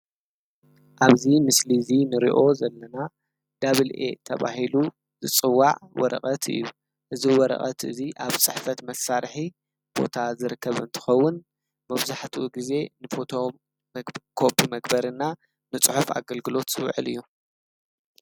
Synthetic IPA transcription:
ʔaβzimɨslizinɨɾḭʔo̞zɐlːɐna | d̪aβɨlʔe̞̰t̪ʰɐβa̰hilu | zɨt͡sʼɨwːaʕwɔ̰ɾɐ̰χʼɐt̪ɨ̰jːu | ʔɨziwɔɾɐ̰χʼɐt̪ʔɨziʔaβt͡sʼɨħfɐt̪mɐsaɾħi | b̥o̞̰t̪ʰazɨɾɨkʰːɐβɨ̰nt̪ʰɨ̥xɐwːʊn | mɐβzaħt̪ʰuʔuɡize̞nɨfo̞t̪ʰo | kʰopʰːimɐɡbɐɾɨnːa | nɨt͡sʼɨħufa̰ɡɐlɡɨlo̞t̪zɨw̰ʕɨlɨ̰jːu

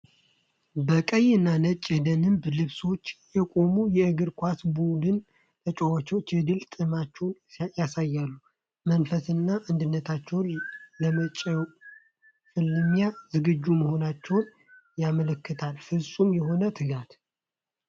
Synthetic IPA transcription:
bəkʼəjɨnːanət͡ʃʼːjɛd̪ənɨmblɨβso̞t͡ʃːjɛkʼo̞mujɛɨɡɨɾkʷasbud̪ɨn | t̪ʰət͡ʃʼowat͡ʃwot͡ʃːɨd̪ɨlt̪ʼɨmat͡ʃːɛwnjasajːalːu | mənfəsɨnːaʔand̪ɨnːət̪ʰat͡ʃːɛwnləmət͡ʃʼɛw | fɨlːɨmjazɨɡɨd͡ʒːuməho̞nat͡ʃːɛwn | jamələkːɨt̪ʰalfɨsʼumjɛɦo̞nət̪ʰɨɡat̪

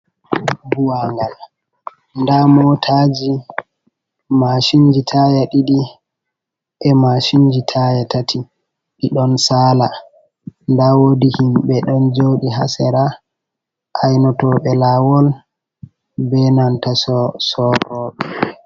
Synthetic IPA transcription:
buwaŋɡal | ndamɔtʰad͡ʒi | maʃind͡ʒitʰajaɗiɗi | ʔɛmaʃiɲd͡ʒitʰajatatʰi | ɗiɗɔnsaːla | ndawodihimɓɛɗɔnd͡ʒowɗiɦa̰sɛɾa | ʔajnɔtɔɓɛlawɔl | bɛnantasɔsɔtɔɓɛ

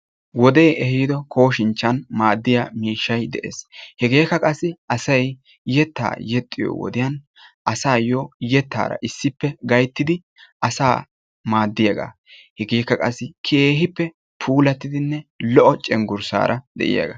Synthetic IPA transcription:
wɔd̪ɛjʔɛhiːd̪ɔkʰo̞ːʃɪnt͡ʃːɐnmaːd̪ːɪjamiːʃːɐjd̪ɛʔḛːshɛɡe̞ːkːɐkʼɐsːɪɐsɐj | jɛt̪ːa̰ːjɛt̪ʼːɪjo̰wɔ̰d̪ɪjɐn | ʔɐsaːjojɛt̪ːa̰ːɾɐ̰ʔɪsːɪpːɛɡɐjt̪ːɪd̪ɪ | ʔɐsaː | maːd̪ːɪjɐɡa̰ː | hɛɡe̞ːkːɐkʼɐsːɪkʰeeːɦɪpːɛ | pʰuːlɐt̪ːɪd̪ɪnːɛlɔʔɔt͡ʃʼɛŋɡʊɾsa̰ːɾʔɐd̪ɛ̰ʔɪ̰jɐ̰ɡa̰ː

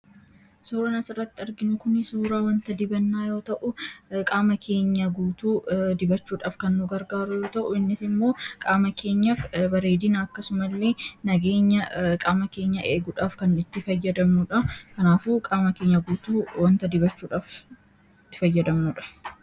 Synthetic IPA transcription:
suːɾɐnɐsɪrːɐt̪ːɪɪɾɡɪnʊkʊnɪsuːɾaːwɐnt̪ɐd̪ɪbɐnːaːjo̞ːt̪ɐʔʊkʼaːmɐkʰe̞ːɲːɐɡuːt̪uːd̪ɪbɐt͡ʃːuːᶑaːfkɐnːʊɡɐɾɡaːɾʊjo̞ːt̪ɐʔʊɪnːɪsɪmːo̞ːkʼaːmɐkʰe̞ːɲːɐfbɐɾe̞ːd̪ɪnɐːkːɐsʊmɐlːe̞ːnɐɡe̞ːɲːɐkʼaːmɐke̞ːɲːɐʔeːɡʊᶑaːfkɐnɪt̪ːɪfɐjːɐd̪ɐmnʊᶑɐkɐnaːfuːkʼaːmɐke̞ːɲːɐɡuːt̪uːwɐnt̪ɐd̪ɪbɐt͡ʃːuːᶑaːf | t̪ːɪ̥fɐjːɐd̪ɐmnʊᶑɐ̥

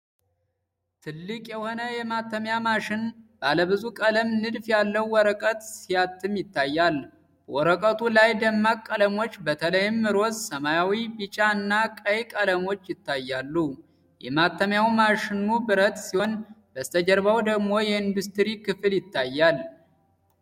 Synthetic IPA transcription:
t̪ʰɨlːɨkʼjɛho̞nəjɛmat̪ːəmjamaʃɪnb̥aləβɨzukʼələmnɨd̪fjalːəwːɔɾəkʼət̪sijat̪ʰːɨmjɪt̪ʰːajːal | b̥əwɔɾəkʼət̪ʰulajd̪əmːakʼːələmo̞t͡ʃːbət̪ʰələjɪmːɨɾozsəmajawibit͡ʃʼaɨnːakʼəjkʼələmo̞t͡ʃːjɪt̪ʰːajːalːu | jɛ̰mat̪ːəmjawmaʃɪnːubɨɾət̪ʼsihonb̥əst̪ʰəd͡ʒəɾβawd̪əɡmo̞jɛɨnd̪ust̪ɾikɨfɨljɪt̪ːajːal

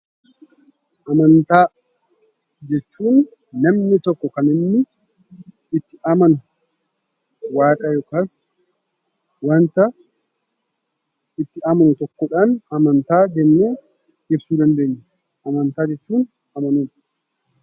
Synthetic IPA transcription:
ʔɐmɐnt̪aː | d͡ʒɛt͡ʃːuːnː | ɐmnɪt̪ɔkːɔkɐnɪnːɪ | ɪt̪ːɪɐmɐnʊ | waːkʼɐjɔkɐs | wɐnt̪ɐ | ɪt̪ːɪɐmɐnʊt̪ɔkːɔᶑɐnɐmɐnt̪aːd͡ʒɛnːuː | ɪbsuːd̪ɐnd̪eːɲːɛ | ʔɐmɐnt̪aːd͡ʒɛt͡ʃːuːn | ɐmɐnum

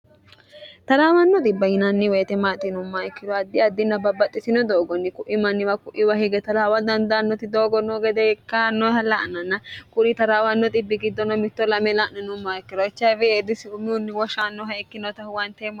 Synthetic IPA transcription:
t̪ɐlaːwɐnːɔt̪ʼɪbːɐjɪnɐnːɪwɛt̪ɛmaːt̪ʼːɪnʊmːaɪkːɪd̪ɔɐd̪ːɪɐd̪ːɪnːɐbɐbːɐt̪ʼːɪsɪnɔd̪oːɡɔnːɪkʊʔɪmɐnːɪwɐkʊʔɪwɐhɪɡɛt̪ɐlaːwɐd̪ɐnd̪anːɔt̪ɪd̪oːɡɔnɔɡɛd̪ɛɛkːanːɔhɐlɐʔnɐnːɐkʼʊɾɪt̪ɐɾaːwɐnːɔt̪ʼɪbːɪɡɪd̪ːɔnɔmɪt̪ːɔlɐmɛlaʔnɛnʊmːaːɪkːɪɾɔɪt͡ʃːɐfɛed̪ɪsɪnunːɪwɔʃanːɔɦɐɪkːɪnɔt̪ɐhʊwɐnt̪em

